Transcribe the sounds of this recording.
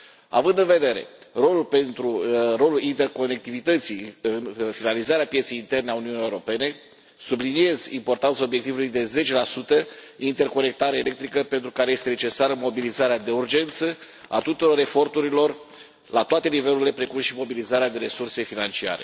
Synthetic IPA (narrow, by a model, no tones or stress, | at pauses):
a̰vɨnd̪ɨnve̞d̪e̞ɾe̞̰ro̞lulpe̞nt̪ɾuro̞lulint̪e̞rko̞ne̞k̚t̪ivit̪ət̪siɨnfinalizaɾeapjet̪sejint̪e̞rneauniunijewɾo̞pe̞ne̞ | sublinie̞zimpo̞rt̪ant̪sao̞bjekt̪ivulujd̪e̞ze̞t͡ʃe̞lasut̪əint̪e̞rko̞ne̞k̚t̪aɾeele̞k̚t̪ɾikəpe̞nt̪ɾukaɾe̞je̞st̪ene̞t͡ʃe̞saɾəmo̞bilizaɾead̪e̞urd͡ʒe̞nt̪sə | a̰t̪ut̪uɾo̞ɾe̞fo̞rt̪uɾilo̞r | lat̪oat̪e̞nive̞luɾilepɾe̞kumʃimo̞bilizaɾead̪e̞ɾe̞surse̞finant͡ʃia̰ɾe̞̰